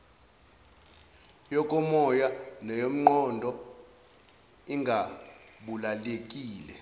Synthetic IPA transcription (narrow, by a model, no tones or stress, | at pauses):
jɔkʼɔmɔjanɔjom̩ŋ͡ǃɔndʱɔ | iŋɡʱa | ɓulalekʼiːlɛ